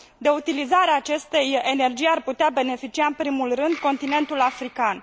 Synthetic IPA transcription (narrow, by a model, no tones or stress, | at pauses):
d̪e̞ut̪ilizaɾeaːt͡ʃe̞st̪e̞jenerd͡ʒijarput̪eabe̞ne̞fit͡ʃiaɨmpɾimulrɨnd̪ko̞nt̪ine̞nt̪ulafɾikan